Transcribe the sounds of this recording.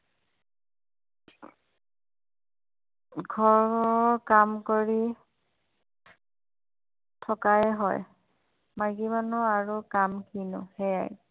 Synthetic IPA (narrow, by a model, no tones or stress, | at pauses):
ɡʱɔɹɔkamkoɹi | tʰɔkajɛɦɔ̰j | maɡimanuaɹukamkʰinʊ̰hɛja̰j